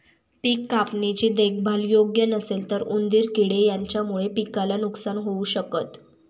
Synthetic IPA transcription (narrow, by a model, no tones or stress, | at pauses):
pikːapnit͡ɕiːd̪ek̚ʰbʱaljoɡjənəselt̪əɾund̪iːɾkiɽejaɲt͡ɕjamuɭepikalanuksanɦouɕəkət̪